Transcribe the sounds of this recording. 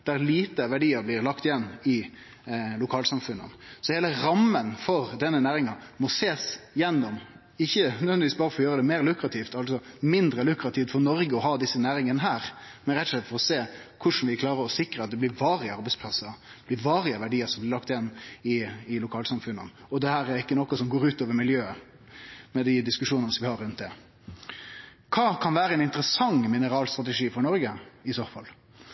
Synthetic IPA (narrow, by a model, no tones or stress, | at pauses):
d̪̥æɾliːt̪əʋæɖiːəɾblɪɾlɑkt̪ɪjɛnːɪ | lʊkʰɑːlsɑmfʉnːə̰nsɔheːləɾɑmːənfɔɾd̪ɛnːənæːɾɪŋɑmɔseːsjɛnːɔm | ɪçːənœd̪ʋɛnd̪ɪʋiːsbɑːɾəfɔɾɔjøːɾəd̪ɛmeːɾlʉkɾɑt̪ʰiːft̪ɑlsɔmɪnd̪ɾəlʉkɾɑt̪ʰiːft̪fɔɾnɔɾɡəɔɦɑːd̪ɪsːənæːɾɪŋənəɦæːɾmɛnɾɛt̪ːɔʂlɛt̪fɔɾɔseːkʰʊʂn̩ʋɪkʰlɑːɾəɾɔsɪkɾəɑt̪̚d̪ɛblɪɾʋɑːɾɪəɑɾbɛɪtspʰlɑsəɾblɪɾʋɑːɾɪəʋæɖiːəɾsɔmb̪ɪlɑkt̪ɪnːɪɪlʊkʰɑːlsɑmfʉnːə̰ɔd̪ɛhæːɾæɾɪkːənɔkːɔsɔmɡoːɾʉːt̪oːʋəɾmɪljøːə | mɛd̪ɪd̪ɪskʉʂuːnənəsɔmʋɪhɑɾːʉnt̪̚d̪ɛ | kʰɑːkʰɑnʋæːɾəɛnɪnt̪əɾəsɑŋmɪnəɾɑːlst̪ɾɑt̪əʂiːfɔɾɳɔɾɡəɪsɔʁfɔl